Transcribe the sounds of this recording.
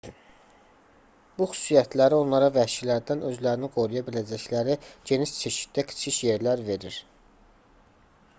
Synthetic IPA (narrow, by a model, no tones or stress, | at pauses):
b̥uxy̥sijæt̪ʰlæɾio̞nlˠɑɾɑvæʃilæɾd̪ænø̞zlæɾiniɡo̞ɾujɑbilæd͡ʒæçlæɾiɟe̞niʃt͡ʃʰe̞ʃi̥t̪d̪ækʰɯ̥t͡ʃʰiʃje̞ɾlæɾve̞ɾiɾ